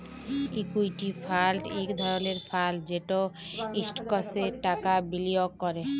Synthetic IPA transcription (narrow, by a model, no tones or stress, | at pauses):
ikujʈifʰalʈekd̪ʱɔɾoneɾfʰald͡ʑeʈoisʈkɔseʈakabiliokːɔɾe